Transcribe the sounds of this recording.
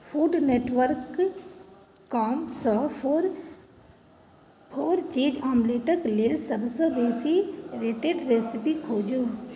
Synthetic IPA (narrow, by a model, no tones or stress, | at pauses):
fʰuːɖneːʈʋəɾk | aːmsəfoɾ | pʰoːɾt͡ʃiːd͡ʒaːmleːʈəkleːlsəbsə̃beːsiɾeːʈeːɖɾeːsɪpikʰoːd͡ʒuː